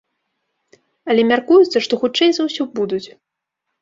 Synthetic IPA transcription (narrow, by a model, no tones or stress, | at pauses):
ɐlʲɛmʲarkujut̪sɐʂt̪ɔxut͡ʂɛjzawsʲubud̪ut͡sʲ